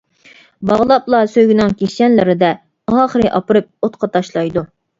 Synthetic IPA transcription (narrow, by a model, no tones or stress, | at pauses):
bɑʁlˠɑplˠɑsøjɡʲinɪŋkʲʰeɛnlɪɾɪd̪ɛ | ɑːχəɾɨʔɑpɨɾɨp̚ot̪̚qʰɑt̪ʰɑʃlˠɑjd̪u